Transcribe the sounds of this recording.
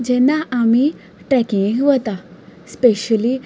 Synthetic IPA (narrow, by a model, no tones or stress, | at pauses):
d͡ʑɛnːaʔami | ʈɾɛkĩŋʋət̪aspeɕəli